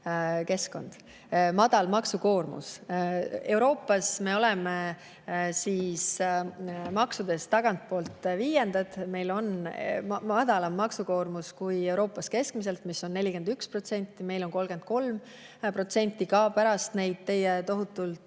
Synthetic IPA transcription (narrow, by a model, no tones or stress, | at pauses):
ke̞sko̞̰nd̪̥ | mɑd̪̥ɑlmɑksuko̞ːrmṵs | e̞wɾo̞ːpːˑɑsme̞o̞lɛme | siːs | mɑksud̪̥e̞st̪ɑɡ̥ɑnt̪̚po̞ːlt̪viːjend̪̥ɑd̪̥me̞jlo̞n | mɑd̪̥ɑlɑmːɑksuko̞ːrmuskuje̞wɾo̞ːpːˑɑske̞skmise̞lt̪misːo̞nːe̞lʲike̞nd̪̥ykspro̞t̪se̞nʲt̪ːˑime̞jlo̞nko̞lɡ̥e̞nd̪̚ko̞lm | pro̞t̪se̞nʲt̪ːˑikɑpæɾɑst̪ne̞jd̪̥̚t̪e̞jet̪o̞ɦut̪ːˑult̪